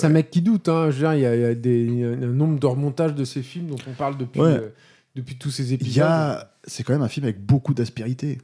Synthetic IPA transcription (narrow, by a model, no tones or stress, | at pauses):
sɛɛ̃mɛkʲːid̪ut̪ɛ̃ʒəd̪iʁiljaijad̪ẽɛ̃nɔ̃bʁəd̪əʁəmɔ̃t̪aʒd̪əsefilmd̪ɔ̃t̪ɔ̃paʁld̪əpɥwɛ | d̪̥əpɥit̪usezepizja | sɛkɑ̃mɛmɛ̃filmavɛk̚bokud̪aspiʁit̪e